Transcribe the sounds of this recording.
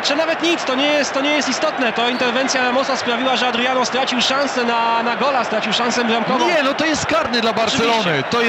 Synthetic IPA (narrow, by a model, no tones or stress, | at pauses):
t͡ʂɨnavɛt̪ɲit̪st̪ɔɲɛjɛst̪t̪ːɔɲɛjɛst̪ist̪ɔt̪nɛt̪ɔint̪ɛɾvɛnt̪sʲjaɾamɔsaspɾavʲiwaʐɛad̪ɾujanɔst̪ɾat͡ɕiwʂãñsɛnanaɡɔlast̪ɾat͡ɕiwʂãñsɛbɾamkɔvɔ̃ɲɛnɔt̪ɔjɛst̪kaɾnɛd̪labaɾɔt͡ʃvsɛilɔnɪt̪ɔj